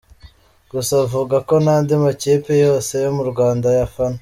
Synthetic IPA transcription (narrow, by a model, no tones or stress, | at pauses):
ɡ̥usavuːɡako̞naːndimaceːpejo̞ːse̞jomuɾɡwaːndajafana